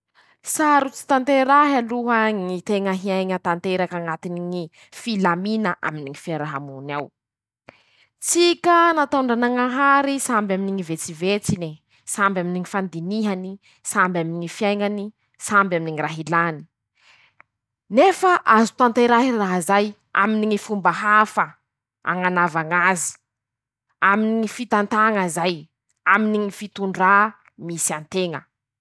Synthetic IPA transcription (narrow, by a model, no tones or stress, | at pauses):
saɾut͡si̥t̪ant̪eɾaɦaluɦəŋit̪eŋəɦiajŋət̪ant̪eɾakaŋat̪iniŋi | filaminaʔa̰miniŋifiaɾaɦamunaw | t͡sikənat̪aɳɖ͡ʐanaŋaɦaɾisambaminiŋivet͡sivet͡sini | sambaminiŋifand̪iniɦani | sambaminiŋifijajŋani | sambaminiŋiraɦilani̥ | nefaʔazu̥t̪ant̪eɾaɦiraɦzaj | a̰miniŋifumbaɦafə | a̰ŋanavaŋazi̥ | aminiŋifit̪ant̪aŋazaj | aminiŋifit̪uɳɖ͡ʐa | misiant̪eŋə̰